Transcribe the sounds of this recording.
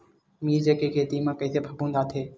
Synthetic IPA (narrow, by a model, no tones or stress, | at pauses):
miːɾd͡ʑeːkʰeːkʰeːt̪iːmãːkəit̪ʰeːbʱəbʱũːnd̪aːt̪ʰeː